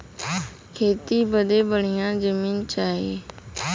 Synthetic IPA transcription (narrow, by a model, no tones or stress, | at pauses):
kʰeːt̪iːbəd̪eːbəɳɪjãːd͡ʒəmiːnt͡ʃaːɦḛː